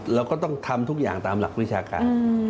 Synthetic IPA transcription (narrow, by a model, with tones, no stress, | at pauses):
lɛː˦˥wkɔː˥˩t̪ɔ˥˩ŋt̪ʰa˧mt̪ʰu˦˥k̚jaː˨˩ŋt̪aː˧mla̰˨˩k̚wi˦˥˩t͡ɕʰaː˧ka̰ː˧n˧